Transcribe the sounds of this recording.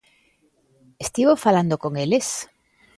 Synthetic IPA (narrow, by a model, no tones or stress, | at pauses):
est̪iβofaland̪okoŋeles